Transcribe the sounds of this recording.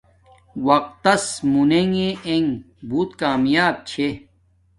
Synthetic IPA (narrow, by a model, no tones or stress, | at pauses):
wɐq̚t̪ːɐsmuneŋeeŋ | buːt̪kaːmjaːb̚t͡ɕʰe